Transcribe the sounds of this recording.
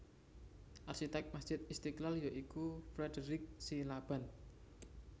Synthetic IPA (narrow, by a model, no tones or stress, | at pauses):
ʔarʃit̪ɛk̚masd̥ʒ̥ɪt̪ist̪iklaljoʔikufɾɛdəɾɪk̚silab̥a̤n